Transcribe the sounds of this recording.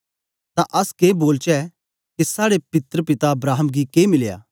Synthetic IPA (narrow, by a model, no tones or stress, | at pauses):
t̪ãʔɐskeːboːlt͡ʃɛ | kesaːɽepɪt̪ɾəpɪt̪aɐbɾaːɦəmɡikeːmɪlja̰ː